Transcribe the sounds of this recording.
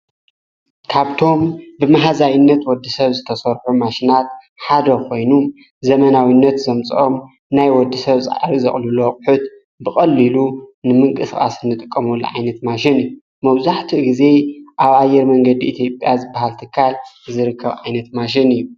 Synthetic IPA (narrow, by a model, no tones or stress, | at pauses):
kʰaβt̪ʰo̞mbɨmaɦazajɪnːɐt̪wɔd̪ːisɐβzɨt̪ʰɐsɐɾħumaʃinat̪ | ħad̪ɐkʰo̞jnu | zɐmɐnawinːɐt̪zɐmt͡sʼʔom | najwɔd̪ːisɐβsʼa̰aɾizɐχʼluloqʼʊħut̪ | bɨxʼɐlːilunɨmɨŋkʼɨskʼa̰sɨnːɨt̪ʼɨkʼːɐmolːṵʕajnɐt̪maʃɪnɨjːu | mɐβzaħt̪ʰiɡize̞ʔaβajːɛɾmɐŋɡɐd̪iʔit̪ʰjo̞pʼjazɨbːahalt̪ʰɨkʰːal | zɨɾɨkʰːɐβʕajnɐt̪maʃ̬ɪnɨjːu